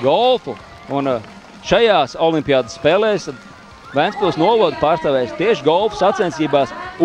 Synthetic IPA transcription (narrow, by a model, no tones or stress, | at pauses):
ɡɔlˠfu | un | ʃajaːsɔlˠimpʲiaːd̪sːpeːlɛːjs | væjnspulˠsnuɔvɔd̪paːɾst̪aʋɛːjst̪iɛʃɡɔlˠfu̥sat̪sɛnt̪siːbaːs